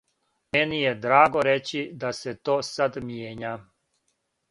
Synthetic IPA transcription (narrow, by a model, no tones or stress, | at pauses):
menijed̪ɾaːɡoɾet͡ɕid̪aset̪oːsad̪mjeːɲa